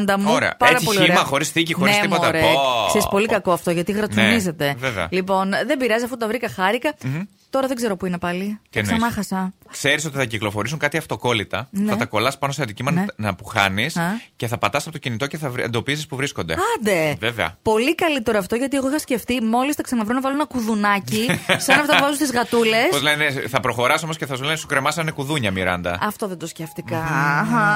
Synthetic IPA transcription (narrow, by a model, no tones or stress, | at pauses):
nd̪ɐmuoɾeɐ̰pɐɾɐpolioiemɐxo̞ɾisθicixoiest̪impot̪ɐɾeseispo̞likɐkoɐft̪o̞ʝɐt̪iɣɾɐt̪unize̞t̪eveveɐ̰lipo̞nðe̞mbiɾɐzisɐfut̪ɐvɾikɐxɐɾikɐ | t̪o̞ɾɐðeɡze̞ɾopuinepɐliensmɐxɐsɐkse̞ɾiso̞t̪iθɐciklofo̞ɾis̬uŋkɐt̪iɐft̪o̞ko̞lit̪ɐnθɐt̪ɐko̞lɐspɐnoseɐnd̪icimɐnɐpuxɐnisce̞θɐpɐt̪ɐsɐpot̪ocinit̪o̞ceθɐḛnd̪o̞pisispuvɾisko̞nd̪e̞̰ɐnd̪eveveɐ̰po̞likɐlit̪e̞ɾoɐft̪o̞ʝɐt̪ie̞ɣoixɐsce̞ft̪imo̞list̪ɐksɐnɐvɾunɐvɐlunenɐkuðunɐcisɐnɐft̪ɐvɐzust̪izɣɐt̪ule̞spozleneθɐpɾo̞xo̞ɾɐso̞mosceθɐzlenesukɾemɐsɐinekuðuɲɐmiɾɐnd̪ɐ̰ɐft̪o̞ðend̪o̞sceft̪ikɐxɐ